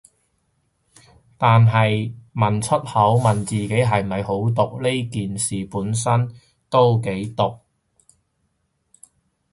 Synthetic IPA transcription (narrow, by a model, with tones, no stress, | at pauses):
t̪aː˨nɦɐ˨jmɐ˨˩nt͡ʃʰɵ˥t̚hɐ˨˥wmɐ˨nt͡siː˨ke˨˥jɦɐ˨˩jmɐ˨jɦo˨˥wt̪̬ʊ˨k̚le˥jkiː˨nsiː˨puː˨˥nsɐ˥n | t̪o˥wke˨˥jt̪ʊ˨k̚